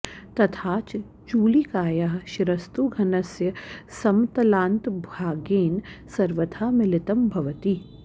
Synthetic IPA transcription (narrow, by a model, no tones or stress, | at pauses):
t̪ɐt̪ʰaːt͡ʃ | t͡ʃuːlikaːjaːɦʃɪɾɐst̪uːɡʱɐnɐsjəsɐmt̪ɐlãːnt̪bʱaːɡeːnsɐɾʋət̪ʰaːmɪlɪt̪ɐmbʱɐʋət̪i